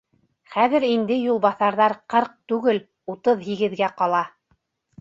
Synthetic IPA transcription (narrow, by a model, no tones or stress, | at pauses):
χæðɘ̆ɾind̪ɘjulˠβɑθɑɾðɑɾqɤɾq̚t̪ʉɡɘl | ut̪ɤðɦiɡɘ̆ðɡæqɑlˠɑ